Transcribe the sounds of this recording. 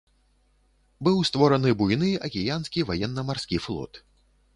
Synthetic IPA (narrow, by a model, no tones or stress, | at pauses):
bɨwst̪vɔɾɐnɨbujnɨɐkʲijanskʲivajɛnːɐmarsʲkʲiflˠɔ̰t̪